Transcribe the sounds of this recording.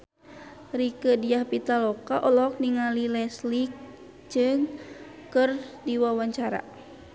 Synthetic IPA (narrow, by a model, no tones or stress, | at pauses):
rikədiahpit̪alɔkaʔɔlɔk̚niŋalilɛslik̚ | d͡ʒɨŋkɨrdiwawaɲt͡ʃaɾa̰